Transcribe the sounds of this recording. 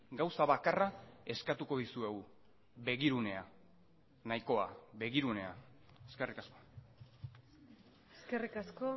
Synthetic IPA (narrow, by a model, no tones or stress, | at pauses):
ɡawsaβakarae̞skat̪uko̞ðisue̞ɣu | be̞ɣiɾune̞a | najko̞aβe̞ɣiɾune̞a | eske̞rikasko̞̥ | eskerikasko